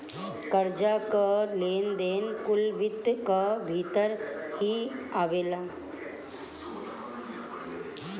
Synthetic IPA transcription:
kəɾd͡ʒakəleːnd̪eːnkulʋit̪kəbʱit̪əɾhiaʋeːla

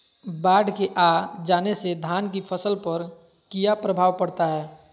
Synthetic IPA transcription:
baːɖkeʔaːd͡ʒaːnesed̪ʱaːnk̬ipʰəsəlpɐɾ | kijapɾəbʱaːʋpɐɽt̪aɦɛː

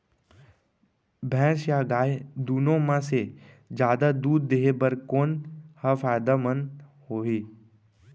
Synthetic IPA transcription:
bʱɛ̃ːsjaɡaːed̪uːnõmãse | d͡ʒjaːd̪ad̪uːd̪ːeɦebəɾkoːnhafaːjd̪amənhoːɦiː

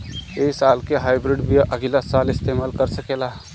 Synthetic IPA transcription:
eːsaːlkeɦaːɪbɾɪɖbʱiʔəɡilasaːlɪst̪eːmaːlkəɾsəkeːla

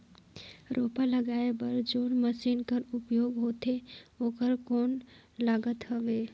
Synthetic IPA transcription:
ɾʔoːpaləɡaːebəɾd͡ʒoːɽməʃiːnkəɾʊpjoːɡɦoːt̪eoːkəɾkoːn | laːɡət̪ɦəʋeː

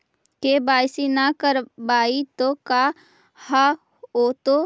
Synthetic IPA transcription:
kebaːjsinakəɾbaːit̪oka | ha | oːt̪o

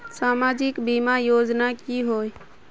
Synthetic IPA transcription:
saːmad͡ʒɪkbimajod͡ʒnakiɦoj

